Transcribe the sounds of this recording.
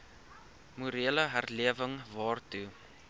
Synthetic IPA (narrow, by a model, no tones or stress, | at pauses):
muɾiələɦærliəvəŋvɑːrtu